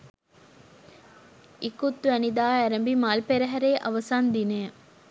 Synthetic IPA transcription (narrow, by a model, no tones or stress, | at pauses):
ikut̪ːuʋænid̪aːæɾɐmbimaːlpeɾɐɦæɾeːʔɐʋɐsaːnd̪ineː